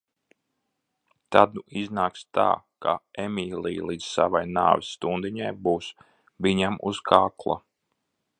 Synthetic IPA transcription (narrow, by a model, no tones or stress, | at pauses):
t̪ad̪uiznaːkst̪a̰ː | ka̰emʲiːlˠiːlˠiːd̪z̥sa̰vajna̰ːvʲisːt̪und̪iɲajbuːs | viɲamṵzkʰaːklˠa̰